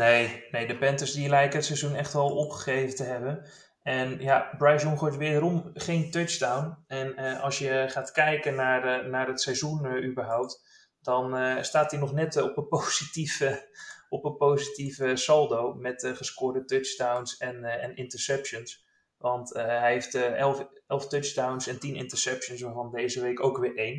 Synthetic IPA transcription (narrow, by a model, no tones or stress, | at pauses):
nejnejdəpɛntəɹsdilɛjkəɦətsɛjzunɛχtɛlˠɔpχə̥χejvəntəɦɛbən | ɛnjabrajʒɔnχoːtʋeːdəɾɔmχejntɵt͡ʃdawnɛnɑlˠsjəχaːtkɛjkənaːrnaːrɦətsɛjzunybərɦawp̚t | dɑnstaːtdinɔχnɛtɔpənpoz̥itiv | ʔɔpənpowzitivəsɔlˠdowmɛtχəskʊːɹdətɵt͡ʃdawnsɛnɛnɪntəɹsɛpʃəns | ʋɑntɦɛjɦeftɛlˠfɛlˠftɵt͡ʃdawnsɛntinɪ̰ntəɹsɛpʃənsʋaːɹvɑndejzəʋejkowkʋɪːɹejn